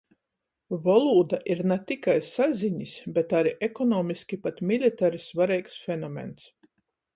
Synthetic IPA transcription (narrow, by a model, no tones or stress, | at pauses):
vɔlˠuːd̪aʔiɾnat̪ikajsazʲiɲisbʲet̪aɾiʔekɔnɔːmʲiskʲipat̪mʲilʲit̪aɾisvaɾɛjksfʲɛnɔmʲḛns